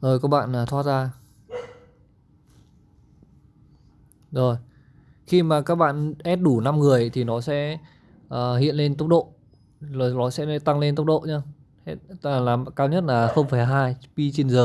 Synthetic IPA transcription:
ʔoː˨˩jkɔː˦˥k̚ɓa̰ː˧˨nlaː˨˩t̪ʰwaː˦˥t̚zaː˧ | zo˨˩j | xi˧maː˨˩kaː˦˥k̚ɓa̰ː˧˨nʔɛ˦˥t̚ɗu˧˩na˧mŋɨ˨˩əjt̪ʰi˨˩nɔ˨˦sɛ̰˧˥ | ʔəː˨˩hḭ˧˨ənle˧nt̪ə˦˥k͡p̚ɗo̰˧˨ | zo˨˩nɔ˨˦sɛ̰˧˥˧t̪a˧ŋle˧nt̪k͡p̚ɗo̰˧˨ɲaː˧˦˥ | laː˨˩m˨kaː˧wɲə˦˥t̚laː˨˩xə˧wŋ͡mfa˧˩ɦaː˧jpi˧t͡ɕi˧nzəː˨˩

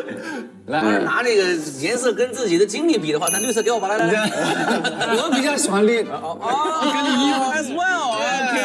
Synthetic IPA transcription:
la˧na˧˥na˥˩ɡə˩jɛ˧˥nsɤ˥˩kə˥nt͡sɹ̩˥˩t͡ɕi˨˩d̪ə˦t͡ɕi˥ŋli˥˩pi˨˩d̪ə˦xwa˥˩˥ly˥˧s̬ɤ˥˧jɑ˥˧ʊpa˨˩a˥˧˥ | wə˧˥pi˨˥t͡ɕjɑ˥˩ɕi˨˩a˧˥nljɛ˥˩n˩˥˧ | swɛ˥˩lo˧kʰ

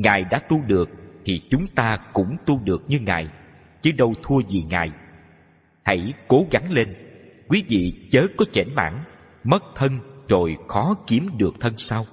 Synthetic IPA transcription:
ŋaː˨˩jɗa̰ː˧˥t̪u˧ɗɨ˨˩ək̚t̪ʰi˨˩t͡ɕʊ˨˦ŋ͡mt̪aː˧kʊ̰˧˥ŋ͡mt̪u˧ɗɨ˨˩ək̚ɲɨ˧ŋa̰ː˨˩j | t͡ɕɨ˨˦ɗə˧wt̪ʰu˧əzi˨˩ŋa̰ː˨˩j | hə̰˧˥jko˨˦ɣa˨˦ŋle˧nkwi˨˦vḭ˧˨t͡ɕəː˨˦kɔ˨˦t͡ɕɛ̰˧˩nma̰ː˧˥˩n | mə˦˥t̚t̪ʰə˧nzo˨˩jxɔ˨˦ki˨˦əmɗɨ˨˩ək̚t̪ʰə˧nsaː˧w

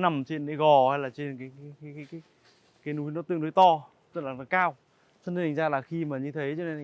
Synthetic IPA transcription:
na˨˩mt͡ɕe˧nɗe˨˦ɣɔ˨˩haː˧jlaː˨˩t͡ɕe˧nkaː˨˦jkaː˨˦jkaː˨˦kaː˨˦kːj | kaː˨˦jnu˨˦jnɔ˨˦t̪ɨ̰˧˨əŋnu˨˦jt̪ɔ˧ | t͡ɕɨ˦˥t̚laː˨˩nɔ˨˦kaː˧w | sni˧˨˩ŋ̟zaː˧laː˨˩xi˧maː˨˩ɲɨ˧t̪ʰə˨˦jt͡ɕɔ˧ne˧˨

